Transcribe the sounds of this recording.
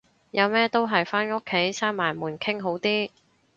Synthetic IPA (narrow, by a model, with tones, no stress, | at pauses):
jɐ˨˧wmɛː˥t̪o˥wɦɐ˨jfaː˥nʊ˥kʰːe˨˥jsaː˥nmaː˨˩jmuː˨˩nkʰɪ˥ŋɦo˨˥wt̪iː˥